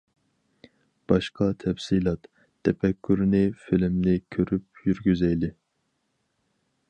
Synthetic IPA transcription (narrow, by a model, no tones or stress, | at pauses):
b̥ɑʃqʰɑt̪ʰɛfsilˠɑt̪ʰː | ɛpɛkʲʰːyɾnɪfilɪmnɪkʲʰøɾyp̚jyɾɡʲyzɛjlɪ